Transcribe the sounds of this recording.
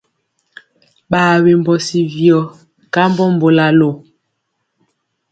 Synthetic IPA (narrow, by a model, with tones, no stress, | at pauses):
ɓaː˨we˨m˨bɔ˨si˨vjɔ˨ | ka˦m˦bɔ˦m˦bo˨la˨lo˨